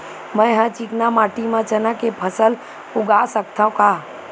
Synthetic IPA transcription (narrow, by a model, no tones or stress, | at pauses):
mə̃jɦãt͡ʃiknamaːʈimə̃t͡ʃənə̃kepʰəsəl | ʊɡasəkt̪ʰãũka